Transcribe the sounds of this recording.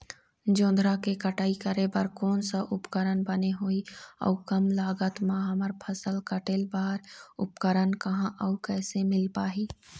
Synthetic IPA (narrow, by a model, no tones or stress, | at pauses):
d͡ʒõːnd̪ʱɾakekəʈaːikəɾebəɾkɔːnsaʔʊpkəɾənbəneɦoːiɔ̰kəmlaːɡət̪mãɦɐməɾpʰəsəlkəʈelbaːɾʊpkəɾənkɐɦãʔəukɛːsemɪlpaːɦiː